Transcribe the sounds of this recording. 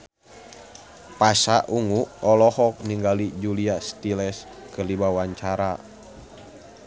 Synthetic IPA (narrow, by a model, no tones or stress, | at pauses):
pasaʔuŋuɔlɔhɔk̚niŋɡalid͡ʒuliast̪ilɛskərdibawaɲt͡ʃaɾa